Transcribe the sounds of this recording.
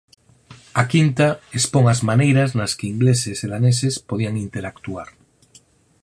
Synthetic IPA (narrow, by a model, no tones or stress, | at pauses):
akint̪aespoŋazmanejɾaznaskeiŋɡleseseðanesespoð̞iaŋint̪eɾakt̪uaɾ